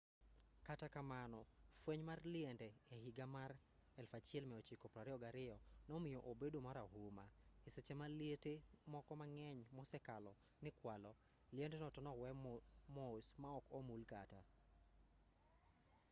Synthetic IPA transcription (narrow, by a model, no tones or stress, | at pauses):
katakamanɔfweɲmarlɪɛndɛɛɦɪɡamar | ɛlfat͡ʃɪɛlmɛot͡ʃikɔpɾaɾɪɔɡaɾɪɔnɔmɪjɔʔobedomaɾaɦumaɪsɛt͡ʃɛmaljetemɔkɔmaŋɛɲmɔsɛkalɔ | nɪkwalɔ | lɪɛndɛnɔtɔnɔwɛmɔsmaɔkomulkata